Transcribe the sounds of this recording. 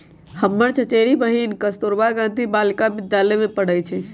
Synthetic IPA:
həmːəɾt͡ʃʰət͡ʃeɾibəɦinkəst̪oɾbaɡãːnt̪ibaːlkabɪd̪jaləmẽpəɽəjt͡ʃʰɛ

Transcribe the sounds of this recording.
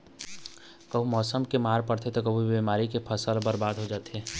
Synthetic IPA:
kəbumɔːsəmkemaːɾpəɽt̪ʰet̪okəbʱubimaːɾikepʰəsəlbəɾbaːd̪ɦod͡ʒaːt̪ɦe

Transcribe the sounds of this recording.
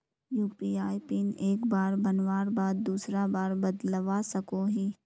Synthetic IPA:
juːpiaːipineːkbaːɾbənʋaːɾbaːd̪̚ːuːsɾabaːɾbəd̪ləʋasəkoɦiː

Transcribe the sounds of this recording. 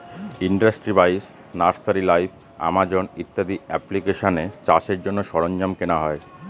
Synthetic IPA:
iɳɖasʈɾibajs | naɾsaɾilajfʰ | a̰mad͡ʑonit̪ːad̪iɛplikeʃonet͡ɕaʃeɾd͡ʑonːoʃɔɾoɲd͡ʑamkenaɦɔe

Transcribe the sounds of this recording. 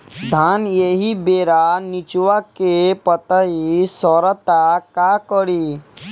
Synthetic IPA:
d̪ʱanjeɦibeɾanit͡ʃʋakepət̪aɦisɔɾət̪akakəɽi

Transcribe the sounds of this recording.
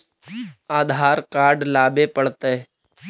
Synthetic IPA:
aːd̪ʱaːɾkaːɾɖlaːbepəɽ̤t̪e

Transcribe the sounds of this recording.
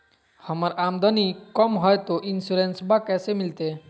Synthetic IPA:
həməɾamd̪ʱənikɔmɦɔjt̪oʔinsuɾensbakɛsemilt̪e

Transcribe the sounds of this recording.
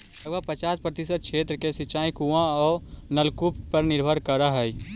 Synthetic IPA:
əɡapət͡ʃaːspɾət̪ɪsəd̪̚kʃʰeːt̪ɾəkesɪt͡ʃaːĩkuãɔːɾnəlkuppəɾnɪɾbʱəɾkəɾaɦɛi

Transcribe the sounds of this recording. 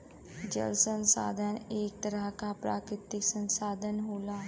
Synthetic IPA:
d͡ʒə̰lsənsa̰ːd̪ʱəneːk̚t̪əɾəɦkaːpɾa̰ːkɾɪt̪ɪksənsaːd̪ʱənɦoːlaː

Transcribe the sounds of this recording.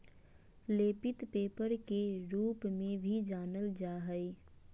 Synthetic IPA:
leːpɪt̪peːpəɾkeɾuːpmẽbʱid͡ʒaːnəld͡ʒaːɦəe

